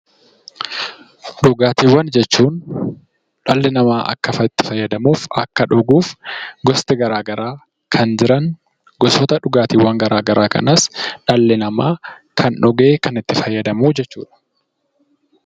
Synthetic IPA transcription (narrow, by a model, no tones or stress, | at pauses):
dʊɡaːt̪iːwːɐnd͡ʒɛt͡ʃːuːn | ᶑɐlːɪnɐmaːʔɐ̰kːɐfɐt̪ːɪ̥fɐjːɐd̪ɐmuːfɐkːɐᶑɔɡuːfɡɔst̪ɛɡɐɾaːɡɐɾaː | kʰɐnd͡ʒɪɾɐn | ɡɔsɔt̪ɐᶑʊɡaːt̪iːwːɐŋɡɐɾaːɡɐɾʔaːkɐ̰nɐsᶑɐlːɪnɐmaːkʰɐnɔɡeːkɐnɪt̪ːɪfɐjːɐd̪ɐmuːd͡ʒɛt͡ʃːuːᶑɐ̥